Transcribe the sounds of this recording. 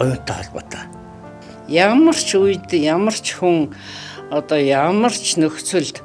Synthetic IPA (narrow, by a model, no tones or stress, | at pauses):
ʊn̥t̪aaɮpəːt̪ḁː | jamə̆r̥t͡ɕʰujt̪jamə̆r̥t͡ɕʰxuŋ | ɔt̪ɔːjamə̆r̥t͡ɕʰnɵxt͡sɵ̆ɮt̪